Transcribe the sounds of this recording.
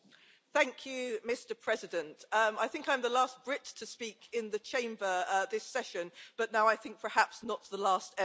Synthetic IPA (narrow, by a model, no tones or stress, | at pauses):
θæ̃ŋkʰjʉmɪstəpʰɹ̥ɛzɪdə̃ntʌ̃maɪθɪ̃ŋkãɪ̃mðəlɑˑsb̥ɹɪtʰəspiˑkʰɪ̃nðət͡ʃʰẽɪ̃mbəʌðɪsɛʃə̃nb̥ʌʔnaʊaɪθɪ̃ŋk̚pʰə˞hapsnəʔ̪̚ðəlɑˑstɛ